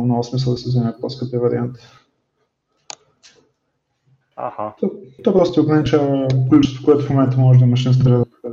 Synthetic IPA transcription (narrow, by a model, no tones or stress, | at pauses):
mnɔɡʊsmisəlˠd̪ɐsɛzɛmɛt̪̚pɔskəpiəvɐɾḭant̪ | a̰hat̪ɔt̪ɔɛpɾɔst̪oɡɛnt͡ʃaklʲut͡ʃst̪o̥koɛt̪ʊfmomɛnt̪əmɔʒɛd̪ɐmɐʃ̬inst̪ɾɛd̪k